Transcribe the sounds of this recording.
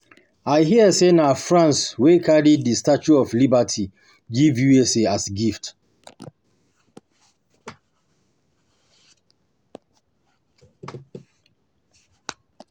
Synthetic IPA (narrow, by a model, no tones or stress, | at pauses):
aɪɦiəsenafɹãnswekʰaɹiddistat͡ʃuɔflibatʰi | ɡivjueseasɡift